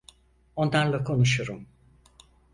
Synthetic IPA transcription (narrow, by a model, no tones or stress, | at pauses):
o̞nd̪anlˠakʰo̞nuʃuɾum